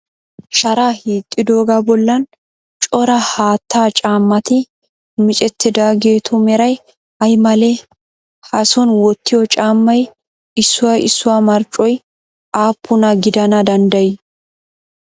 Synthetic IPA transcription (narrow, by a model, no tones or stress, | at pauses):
ʃɐɾaːhiːt̪ʼːɪd̪oːɡɐbɔlːɐn | t͡ʃʼɔɾɐhaːt̪ːaːt͡ʃʼaːmːɐt̪ɪ | mɪt͡ʃʼɛt̪ːɪd̪aːɡe̞ːt̪ʊmɛɾɐj | hɐjmɐle | hɐsɔnwɔt̪ːɪjɔt͡ʃʼaːmːɐj | ɪsːʊwɐjɪsːʊwamɐɾt͡ʃʼːɔj | ʔaːpʰːʊnɐɡɪd̪ɐnɐd̪ɐnd̪ɐjɪ